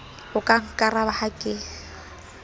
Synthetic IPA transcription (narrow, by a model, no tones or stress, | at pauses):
ʊkʼaŋ̩kʼarabahakʼɪ